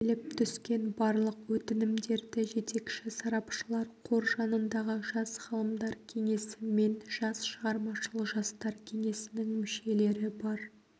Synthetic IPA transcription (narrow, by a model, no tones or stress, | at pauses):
lɪp̚t̪ʰʏskʲe̞nbɑɾlˠəqwɵt̪ɪnɪmd̪e̞ɾd̪ɪʒe̞t̪e̞kʃɪsɑɾɑpʃəlˠɑɾqʰo̞ɾʒɑnənd̪ɑʁəʒɑsχɑlˠəmd̪ɑɾkʲʰe̞ŋe̞sɪme̞nʒ̥ɑsʃəʁɑɾmɑʃəlˠəqʒɑst̪ɑɾkʲʰe̞ŋe̞sɪnɪŋmʏʃe̞le̞ɾɪbɑɾ